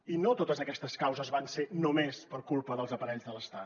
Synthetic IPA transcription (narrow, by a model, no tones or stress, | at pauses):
inot̪ot̪əzəkɛst̪əskawzəzβansenomespəɾkulˠpəðəlˠzəpəɾɛʎzðələst̪at̪